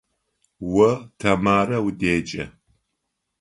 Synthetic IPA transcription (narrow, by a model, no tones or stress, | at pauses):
wɐtʰɐmaːɾɐwdeːt͡ʃʼɐ̰